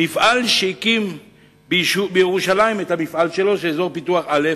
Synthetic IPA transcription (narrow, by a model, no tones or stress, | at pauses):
mifʔalʃeikim | bʃubejeʁuʃalaimetamifʔalʃe̞lo̞ʃeezo̞ʁpituaχʔale